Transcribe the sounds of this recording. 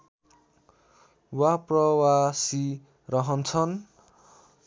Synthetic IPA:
waprʌwasi | rʌɦʌnt͡sʰʌn

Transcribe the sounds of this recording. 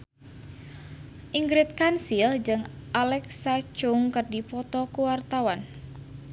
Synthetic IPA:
ʔiŋɡɾit̪̚kansild͡ʒɨŋ | ʔalɛksat͡ʃʊŋkɨrdipɔt̪ɔkuwart̪awan

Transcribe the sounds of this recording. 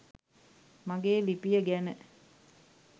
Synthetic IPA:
maɡeːlipijəɡænə

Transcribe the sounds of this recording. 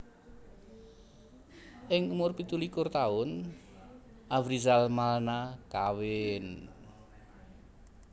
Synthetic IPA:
ʔɪŋumʊrpit̪ulikʊrt̪aʊn | ʔavɾizalmalnakawɪn

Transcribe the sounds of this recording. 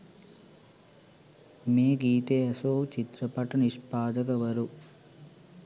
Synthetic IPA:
meːɡiːt̪eːɐsoːt͡ʃit̪ɾɐpɐʈɐniʂpaːd̪ɐkɐʋɐɾu

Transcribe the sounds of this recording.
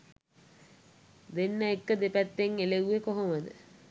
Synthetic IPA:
d̪enːəekːəd̪epæt̪ːeŋeleuekoɦoməd̪ə

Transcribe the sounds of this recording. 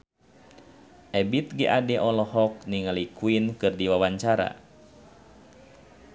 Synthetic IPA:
ʔɛbit̪̚ɡiʔadɛʔɔlɔhɔk̚niŋalikuinkɨrdiwawaɲt͡ʃaɾa̰

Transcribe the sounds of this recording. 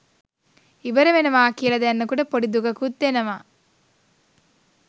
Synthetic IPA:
iʋɐɾemenɐʋaːkijɐlɐd̪ɐɐnːɐkuːɽɐpoɽid̪uɡɐkut̪ːenɐʋa

